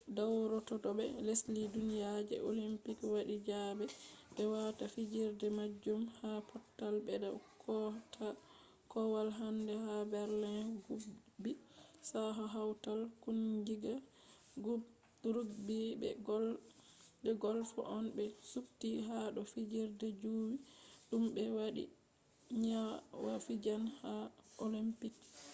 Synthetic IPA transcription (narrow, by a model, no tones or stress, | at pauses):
dawɾɔtɔtɔbɛ̰leslidunijad͡ʒɛ̰ʔo̰limpikwaɗid͡ʒabɛbɛwatafid͡ʒiɾdɛmad͡ʒːumhapɔtːalbɛda̰kʰɔtʰa | kɔwalɦandɛhabɛɾlɛnɡu | bisaɦaɦawtalkunɡiɡa | ɡ | ɾuɡbibɛ̰ɡ | bɛɡɔlfɔ̰ʔɔnbɛsubtiɦaɗɔfid͡ʒiɾdɛd͡ʒuwiɗumbɛwaɗḭ | ɲawafid͡ʒanhaolimpik